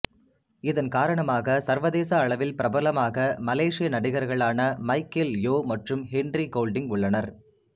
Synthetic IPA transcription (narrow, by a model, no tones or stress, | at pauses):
ɪðɐnkaːɾɐɳɐmaːɣɐsɐɾʋɐðeːsɐːɭɐʋɪlpɪɾɐbɐlɐmaːɣɐmɐleːʂɪjɐnɐɽɪɣɐɾɣɐɭaːnɐmɐɪkɪljoːmɐʈrɯmɦɛnɖɾikoːlɖɪŋʊɭːɐnɐɾ